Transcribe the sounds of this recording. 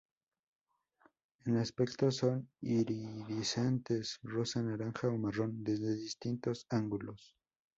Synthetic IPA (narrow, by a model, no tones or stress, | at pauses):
enaspekt̪oso̞niɾiðisent̪esrosanaɾaŋxaomaro̞nd̪e̞zðe̞ðist̪int̪o̞saŋɡulos